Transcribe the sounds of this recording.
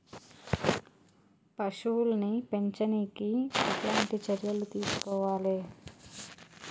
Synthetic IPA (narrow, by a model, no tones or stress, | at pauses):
pɐʂuːlnipe̞ɲt͡ʃɐniːkiɐt̪laːnt̪it͡ʃɐɾjɐlut̪iːsu̥kɔːʋaːleː